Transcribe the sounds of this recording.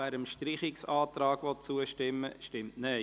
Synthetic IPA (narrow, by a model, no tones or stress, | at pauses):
æːɾəmʃtɾɪχɪksɑːt̪ɾɑːɡ̥ʋɔt̚t͡suəʃtɪmːə̰ʃtɪmtnɛ